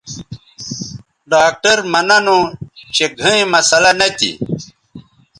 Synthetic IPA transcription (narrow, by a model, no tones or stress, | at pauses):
ɖaːk̚ʈɐɾmɐnɐnõt͡ɕeɡʱɐ̃ĩmɐsɐlɐnɐt̪ḭ